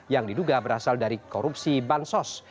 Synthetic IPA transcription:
jaŋdiduɡabəɾasaldaɾikɔɾup̚sibansɔs

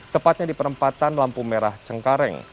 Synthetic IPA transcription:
t̪əpat̪̚ɲadipəɾəmpat̪anlampumeɾaht͡ʃəŋkaɾɛ̰ŋ

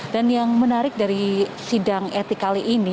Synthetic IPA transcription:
danjaŋmənaɾɪk̚daɾisidaŋɛt̪ikaliʔini

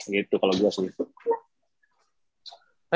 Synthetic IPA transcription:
ɡit̪ukaloɡuasini | a

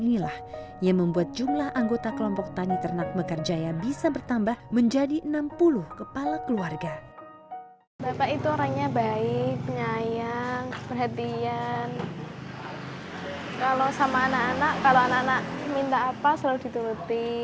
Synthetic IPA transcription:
nilah | jaŋməmbuat̪̚d͡ʒumlahʔaŋɡot̪akəlɔmpɔk̚t̪anit̪ərnak̚bəkərd͡ʒajabisabərt̪ambahməɲd͡ʒadiʔənampulʊhkəpalakəluarɡa | bapaʔit̪uoɾaŋɲabaɪk̚pəɲajaŋpərɦat̪ian | kalosamaːnaʔanaʔkaloanaʔanaʔmint̪aːpasəlaluhdit̪uɾut̪i

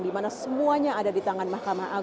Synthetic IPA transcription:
ŋdimanasəmuaɲaːdadit̪aŋanmahkamaɦa

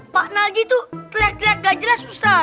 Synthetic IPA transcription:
paʔnald͡ʒit̪uklak̪lak̚ɡad͡ʒɾasusa

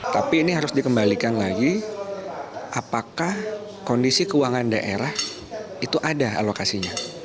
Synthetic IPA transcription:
t̪apiːniɦaɾʊsdikəmbalikanlaɡi | ʔapakah | kondisikəuwaŋandaʔeɾah | it̪uʔadaa̰lokasiɲa

